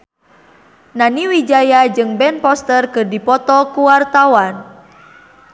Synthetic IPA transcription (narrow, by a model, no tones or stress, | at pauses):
naniwid͡ʒajad͡ʒɨŋbɛnpɔst̪ərkɨrdipɔt̪ɔkuwart̪awan